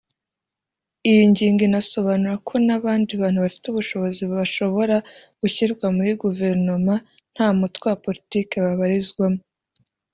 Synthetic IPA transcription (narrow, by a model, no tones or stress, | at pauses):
ijiɲɟiːŋɡinaso̞βanuɾakʰo̞naβaːndiβaːnhuβafi̥tuβuʃo̞βo̞ziβuβaʃo̞βo̞ɾaɡ̥uçiɾɡwamuɾiɡuve̞ɾnoma | n̥haːmutwewapo̞ɾitiːke̞βaβaɾizɡwamo